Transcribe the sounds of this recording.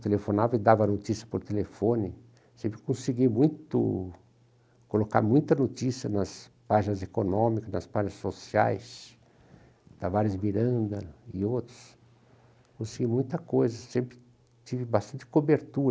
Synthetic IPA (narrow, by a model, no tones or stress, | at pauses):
t̪elefonavɪd̪avɐnot͡ʃ̪isiɐpoɾt̪elefõnɪ | sẽmpɾɪ̥kõsiɡimũj̃t̪ʊ̰ | koloka̰ɾmũj̃t̪ɐnot̪isiɐnɐs | paʒinɐzekonõmikɐznɐ̰spaʒinɐsosia̰js | t̪avaɾɪzmiɾɐ̃nd̪ɐɪowt̪ɾʊ̥s | kõsiɡimũj̃t̪ɐkojzɐsẽmpɾɪ | t͡ʃ̪ivɪbast̪ɐ̃nt͡ʃ̪ɪ̥kobeɾt̪uɾɐ